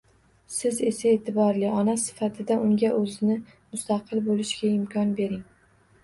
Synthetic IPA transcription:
sɪze̞sae̞ːt̪ʰɪbɒɾlɪɒnasɪ̥fat̪ʰɪd̪aʔʊŋɡʲaʔɵzɪnɪ | mʊst̪ʰaqʰɨlˠbolɪʃɡʲaɪmkʲʰɒnbe̞ɾɪŋ

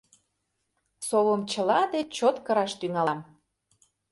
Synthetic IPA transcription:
soβəmt͡ɕə̆lɑd̪et͡ɕot̪kəɾɑʃt̪yŋɑlm

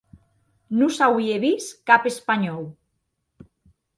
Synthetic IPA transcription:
nusawieβiskapespaɲɔw

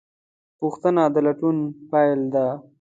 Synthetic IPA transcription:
puxt̪ənad̪əlaʈunpajld̪a

